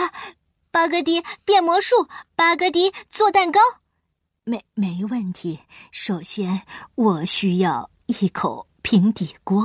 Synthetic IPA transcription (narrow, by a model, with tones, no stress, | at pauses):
pa˧˥kɤ˧˥t̪̬i˧˥pjɛ˥˩nmwɔ˧˥ʂu˥˩pa˥kɤ˧˥t̪̬i˧˥t͡swɔ˥˧t̪a˥˩nkɑ˥ʊ | me˧˥˦ɪme˧˥ɪ˧wə˥˩nt̪ʰi˧˥ʂo˨˩ʊɕjɛ˥nwɔ˨˩ɕy˥jɑ˥˧ʊ | i˥˩kʰo˨˩˦ʊ | pʰi˧˥ŋt̪i˨˩kwɔ˥